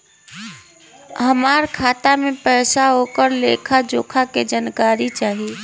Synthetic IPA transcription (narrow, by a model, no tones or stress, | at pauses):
ɦəmaɾkʰaːt̪amepəjsaoːkəɾlekʰad͡ʒoːkʰaked͡ʒankaːɾit͡ʃaːɦi